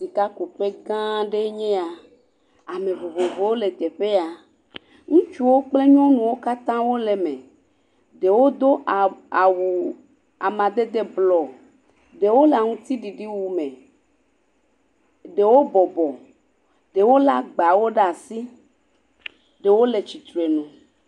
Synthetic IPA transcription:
si˨ka˦ku˨ɸe˦ɡã˦ɖe˦ɲẽ˦a˨ | a˨mẽ˨vo˨vo˨vo˨˦wo˦le˨t̪e˨ɸe˦a˨ | ŋũ˦t͡ʃu˦wo˦k͡ple˦ɲɔ̃˦nũ˨wo˦ka˦t̪ã˦wo˦le˨mẽ˨ | ɖe˨wo˦d̪o˦ʔa˨wu˨ | a˨mã˨d̪e˦d̪e˦blɔ˨ | ɖe˨wo˦la˨ŋũ˦t̪i˦ɖi˨ɖi˦wu˨mẽ˨ | ɖe˨wo˦bɔ˨bɔ˨ | ɖ̥e˨wo˦la˦ɡ͡ba˨wo˦ɖa˨si˦ | ɖe˨wo˦le˨t͡ɕi˨t̪ɾe˨nũ˨

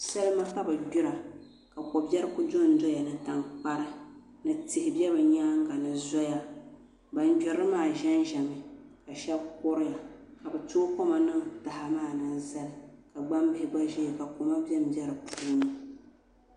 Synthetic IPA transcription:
sa˦lɨ˦ma˦ka˦bɨ˨du˦ɾa˨ | ka˨kɔ˨bɛ˦ɾɨ˦ku˦d͡ʒo˦n̩˦do˦ja˨nɨ˨ta˨ŋk͡pa˦ɾɨ˦ | nɨ˨tɪ˨hɪ˨bɛ˦bɨ˨ɲaː˦ŋ̩˦ɡa˨nɨ˦zɔ˦ja˦ | ba˨nd͡ʒɛ˨ɾɨ˦maː˦˨ʒɛ˦nʒɛ˨mɨ˨ka˨ʃɛ˦bko˦ɾɪ˦ja˨ka˨bɨ˨to˦ko˦ma˨nɨ˦ŋta˨ha˨maː˦˨na˦˨za˦lɨ˨ka˨ɡ͡ba˦mbɪ˦hɪ˦ɡ͡ba˦ʒɛ˦˨ka˨ko˨ma˦bɛ˦m˨bjɛ˦ɾɨ˨pʰuuː˦nɨ˦

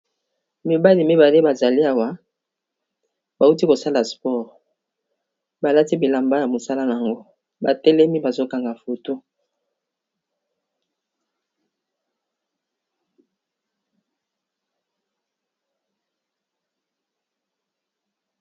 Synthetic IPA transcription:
mi˨ba˦li˨mi˦ba˨le˦ba˨za˨li˦a˨wa˦ | ba˨u˦ti˦ko˨sa˦la˨spɔ˦˨ʁ | ba˨la˦ti˦bi˨la˨mba˦ja˨mo˨sa˦la˦na˨a˨ŋɡo˦ | ba˨tɛ˦lɛ˦mi˦ba˨zo˦ka˨ŋɡa˨fo˨to˦

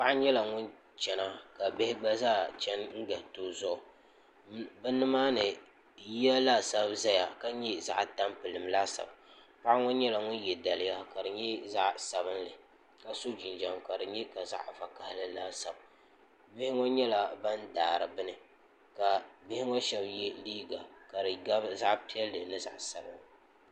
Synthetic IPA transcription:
pa˦ʔɲɛ˦la˨ŋʊ˦n | t͡ʃɛ˨na˦ka˨bɪ˦hɪ˦ɡ͡ba˦zaː˦t͡ʃɛ˦nŋ̩˦ɡa˨toː˦zɔ˦ʊ˨ | bɨ˦nːɨ˦maː˦nɨ˨ | ji˦a˦laː˦sa˦bza˦ja˨ka˦ɲɛ˦za̰˦ʔta˦mpɨ˨lɨ˨mlaː˦sa̰˨b | pa˦ʔa˦ŋɔ˦ɲɛ˦la˨ŋʊ˦n˦jɛ˨da˨lɪ˦ja˦ka˨dɨ˨ɲɛ˦za˦ʔsa˨bɨ˦nlɨ˨ | ka˦so˦d͡ʒi˨nd͡ʒa˨mka˨dɨ˨ɲɛ˦ka˨za̰˦ʔfa˨ka˨hɪ˦lɨ˦laː˦sa˨b | bɪ˦hɪ˦ŋɔ˦ɲɛ˦la˦ba˦ndaː˨ɾɨ˨bɨ˦nɨ˦ | ka˨bɪ˦hɪ˦ŋɔ˦ʃɛ˦bjɛ˦liː˦ɡa˨ka˨ɾɨ˨ɡa˦za˦ʔpi˦ɛ˦lːɨ˨nɨ˦za̰˨ʔsa˨bɨ˦n˨

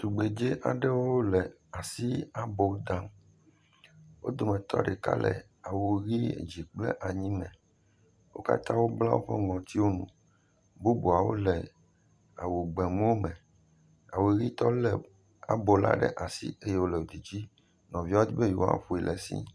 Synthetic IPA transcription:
su˨ɡ͡be˨d͡ʒe˦ʔa̰˨ɖɛ˦wo˦wo˦lɛ˨ | a˨si˦a˨bo˨˦d̪ã˦m | wʔo̰˦d̪o˨mɛ̃˨t̪ɔ̰˦ɖe˨ka̰˦lɛ̰˨ | a˨wo˨ɣi˦ḛ˨d͡ʑi˨k͡plɛ̰˦ʔa˨ɲĩ˦mɛ̃˨ | wo̰˦ka̰˦t̪ã˦wo˦bla˦wo̰˦ɸɛ˦ŋɔ̃˨t̪i˦wo˦nṵ̃˨ | bu˦bu˨a˨wo̰˦lɛ˨ | a˨wo˨ɡ͡bɛ˨mũ˦wo˦mɛ̃˨ | a̰˨wo˨ɣi˦t̪ɔ˦lɛ˨ | a˨bo˨la̰˦ɖɛ̰˦˨ʔa˨sḭ˦e˦je˦wo˦lɛ˨wo˨d̪i˨d͡ʑi˦ | nɔ̃˨vi˦wa˦d̪i˦be˦jṵ˨wã̰˦˨ɸo˦i˨lʔɛ̰˨sḭ˦

